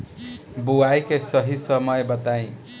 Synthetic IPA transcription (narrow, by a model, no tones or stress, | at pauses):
buwajkesʌɦisʌmʌjbʌt̪aj̃